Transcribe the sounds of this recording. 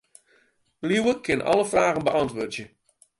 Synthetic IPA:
liwəkʰɪnʔɑ̰ləfraːɣənbəʔɑntʋoːtjə

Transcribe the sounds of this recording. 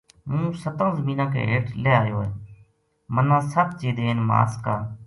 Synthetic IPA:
mũːsət̪ãːzəmiːnãːkḛːɦeːʈleaːjoːeː | mənãːsəb̚t͡ʃeːd̪eːeːnma̰ːskaː

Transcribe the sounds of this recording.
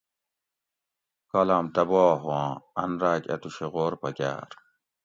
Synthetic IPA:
kɐlaːmt̪ɐbaːɦãːɐnɾaːkʲɐ̰t̪uɕeɣoːɾpɐkʲa̰ːɾ

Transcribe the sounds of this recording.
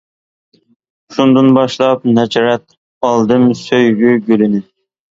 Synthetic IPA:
ʃund̪ɨnbɑʃlˠɑp̚nɛd͡ʒɑɾɛt̪̚ | ɑlˠd̪ɨmsøjɡʲyɡʲølɪnɪ

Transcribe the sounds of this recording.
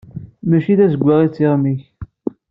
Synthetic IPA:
mæʃiðæzəɡʷːaʁit͡sːiʁmiç

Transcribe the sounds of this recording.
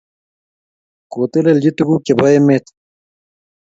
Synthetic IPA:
koːt̪eleld͡ʑit̪uɡukebɐjemet̪

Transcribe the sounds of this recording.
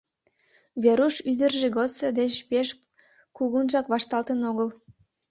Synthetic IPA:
βeɾuʃyd̪ərʒeɣosed̪et͡ɕpeʃ | kuɣunʒɑkβɑʃt̪ɑlt̪ənoɣəl

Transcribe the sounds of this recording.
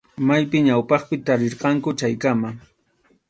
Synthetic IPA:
majpɪɲawpɑχpɪt̪aɾɪɾqɑŋkʊt͡ʃajkama

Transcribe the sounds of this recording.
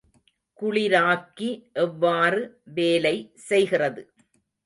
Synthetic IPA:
kʊɭɪɾaːkːiʔɛʋːaːrɯ | ʋeːlɐɪsɛjɣɪrɐðɯ

